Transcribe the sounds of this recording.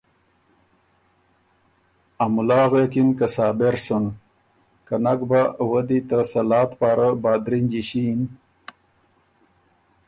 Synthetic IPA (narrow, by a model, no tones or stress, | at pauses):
amulaːɣekinkasɑːbeɾsun | kanaɡbawəd̪it̪əsɐlɑːt̪paːɾabaːd̪ɾind͡ʑiɕin